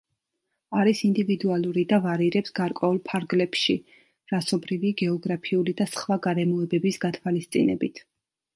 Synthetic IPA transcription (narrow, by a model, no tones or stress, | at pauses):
aɾisind̪ivid̪ualˠuɾid̪avaɾiɾɛpsɡ̥aɾkʼwɛulˠpʰaɾɡlɛpʃi | ɾasɔbɾiviɡɛɔɡɾapʰiulid̪asχvaɡaɾɛmɔɛbɛbisɡat̪ʰwalist̪sʼḭnɛ̰bit̪ʰ